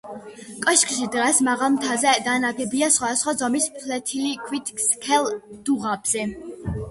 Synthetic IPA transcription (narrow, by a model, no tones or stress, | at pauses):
kʼɔʃkʰʼʃid̪ʁɛsmaʁalˠmt̪ʰazɛd̪anaɡɛbiasχwad̪asχwazɔmispʰlɛt̪ʰilikʰwit̪ʰskʰɛlˠd̪̥uʁabz̥ɛ